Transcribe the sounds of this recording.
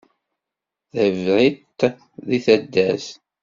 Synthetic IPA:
ðəvɾit̪ː | ðiθæd̪ːæs

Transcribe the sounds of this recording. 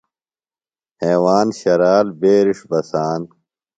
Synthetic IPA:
heːwaːnɕɐɾaːlbeːɾiʂbɐsaːn

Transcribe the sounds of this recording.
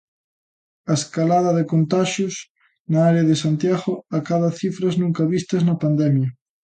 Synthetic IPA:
ɐeskalaðɐðekont̪aʃʊs | nɐaɾeɐðɪsant̪jaɣʊakaðɐθifɾɐznũŋkɐβist̪ɐznɐpand̪ɛmjɐ

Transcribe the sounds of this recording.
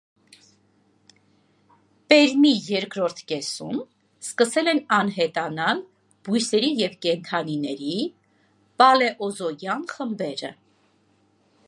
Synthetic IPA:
pɛɾmijɛɾkɾɔɾt̪ʰkɛsum | skəsɛlɛnɑnɦɛt̪ɑnɑl | b̥ujsɛɾijɛvkɛnt̪ʰɑninɛɾi | pɑlɛʔɔzɔjjɑnχəmbɛɾə̰

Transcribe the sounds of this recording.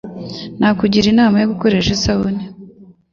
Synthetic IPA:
nakuɟiɾinaːmajoβuko̞ɾeʃesauni

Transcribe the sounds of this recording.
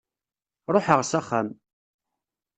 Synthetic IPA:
ɾˤoħəʁsæχːam

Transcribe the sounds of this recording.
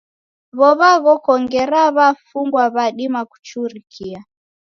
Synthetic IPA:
βɔβaɣɔkɔŋɡɛɾaβafuŋɡwaβaɗimaku̥t͡ʃuɾikʰia

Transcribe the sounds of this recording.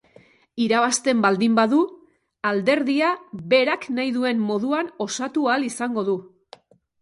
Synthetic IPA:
iɾaβ̞ast̪e̞mbald̪imbaðu | ald̪e̞ɾðiaβe̞ɾaknajðue̞nmo̞ðuano̞sat̪ualisaŋɡo̞ðu

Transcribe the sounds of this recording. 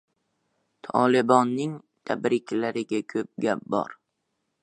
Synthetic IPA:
t̪ʰɒlɪbɒnːɪŋ | t̪ʰabɾɪkʲlaɾɪɡʲakʰɵp̚ɡʲap̚bɒ̰ɾ

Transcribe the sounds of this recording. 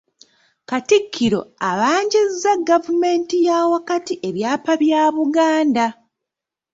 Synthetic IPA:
katikʰːiɾo̞̰aβaːɲɟizːaɡavume̞ːntijawakatiʔe̞βjaːpaβjaːβuɡaːnda

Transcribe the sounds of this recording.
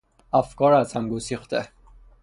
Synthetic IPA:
ʔæfkɒːɾæzhæmɡosixt̪ʰe

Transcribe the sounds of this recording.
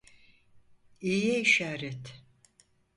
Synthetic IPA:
ijɛiʃaːɾɛt̪

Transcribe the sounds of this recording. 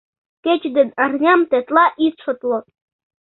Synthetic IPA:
ket͡ɕd̪ɘ̆nɑrnʲɑmt̪et̪lˠɑʔisʂɤ̆t̪lˠɤ̆

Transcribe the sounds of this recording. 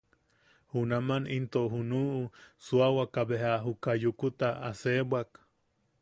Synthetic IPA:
hunamanʔint̪oʔɦunuʔusuawakaβehaɦukajukut̪aa̰sebwak

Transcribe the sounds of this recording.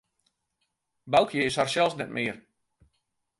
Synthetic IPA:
bawˠkʰjeːsharsɛlˠsnɛt̚mʔɪːər

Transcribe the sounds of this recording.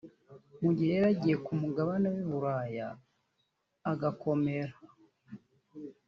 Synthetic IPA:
muɟiheeɾaɟije̞kumuɡaβanowiβuɾaja̰ | ɡakʰo̞me̞ɾa

